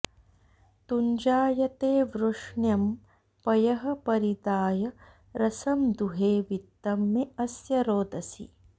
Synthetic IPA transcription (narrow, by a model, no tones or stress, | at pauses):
t̪uɲd͡ʒaːjɐt̪eːʋɾuʂɳjɐm | pɐjɐɦɐpɐɾid̪aːjɐ | ɾɐsɐmd̪uɦeːʋit̪ːɐmiɐsjɐɾoːd̪ʱɐsḭ